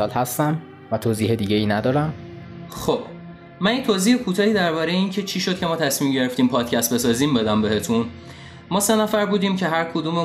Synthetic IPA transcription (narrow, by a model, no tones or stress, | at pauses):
ɒːlhæst̪æm | væt̪ʰoːziːɦed̪iːɟeiːnæd̪ɒːɾæmxob̥ | mænjit̪ʰoːziːhekʰuːt̪ʰɒːhiːd̪æɾbɒːɾejeiːncʰe̞t͡ʃʰiːʃo̞d̪̥̚cʰe̞mɒːt̪ʰæsmiːmɟe̞ɾe̞ft̪iːmpʰɒːd̪̥cʰæst̪̚be̞sɒːziːmbe̞d̪æmbe̞het̪ʰun | mɒːse̞næfæɾbuːd̪iːmcʰe̞ɦæɾkʰod̪uːme